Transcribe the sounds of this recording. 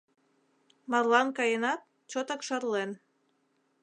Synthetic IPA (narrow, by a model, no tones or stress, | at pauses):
mɑrlɑnkɑjenɑt̪̚ | t͡ɕot̪ɑkʃɑrlen